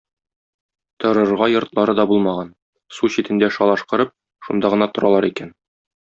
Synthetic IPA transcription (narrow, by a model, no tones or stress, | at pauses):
t̪ɤ̆ɾɤ̆ɾʁɑjŏɾt̪lˠɑɾɤd̪ɒbulˠmɑʁɑn | suɕit̪ɘ̆nd̪æʃɑlˠɑʃqɤ̆ɾɤp̚ | ʃund̪ɑʁɤ̆nɑt̪ŏɾɑlˠɑɾikæn